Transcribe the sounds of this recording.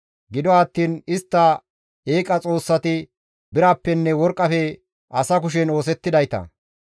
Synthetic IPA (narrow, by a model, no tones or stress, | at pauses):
ɡɪd̪ɔɐt̪ːiːnɪst̪ːɐ | eːkʼɐt͡sʼo̞ːsːɐt̪ɪ | bɪɾaːpːɛnːɛwɔɾkʼːɐfɛ | ɐsɐk̬ʊʃ̬ɛno̞ːs̬ɛt̪ːɪd̪ɐjt̪ɐ̰